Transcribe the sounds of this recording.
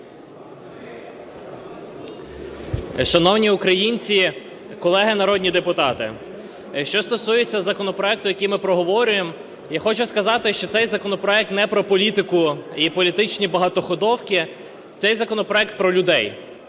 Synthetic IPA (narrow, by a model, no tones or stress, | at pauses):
ʃɐnɔwnʲiukɾɐjinʲt͡sʲi | kɔlˠɛɦɪnɐɾɔd̪ʲnʲid̪epʊt̪ɑt̪ɪ̰ | ʃt͡ʃɔst̪ɔsujet͡sʲːɐzɐkɔnɔpɾɔɛk̚t̪ʊjɐkʲijmɪpɾɔɦɔʋɔɾʲʊjem | jaxɔt͡ʃʊskɐzɑt̪ɪʃt͡ʃɔt̪sɛjzɐkɔnɔpɾɔɛk̚t̪nɛpɾɔpɔlʲit̪ɪkʊipɔlʲit̪ɪt͡ʃnʲibɐɦɐt̪ɔxɔd̪ɔwkʲɪ | t̪sɛjzɐkɔnɔpɾɔɛk̚t̪̚pɾɔlʲʊd̪ɛj